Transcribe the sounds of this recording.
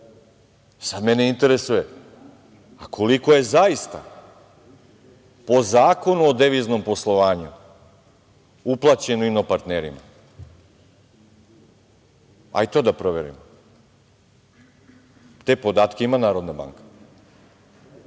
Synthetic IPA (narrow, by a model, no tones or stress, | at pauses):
sad̪meneint̪e̞ɾesuje | akʰoliko̞je̞zaist̪a | po̞zaːko̞nuod̪eʋizno̞mpo̞slˠo̞ʋaːɲu | uplˠat͡ɕe̞noinopaɾt̪neːɾima̰ | a̰it̪od̪apɾo̞ʋe̞ɾḭmo | t̪e̞po̞d̪aːt̪kʲeimanaːɾo̞d̪naba̰ːŋkḁ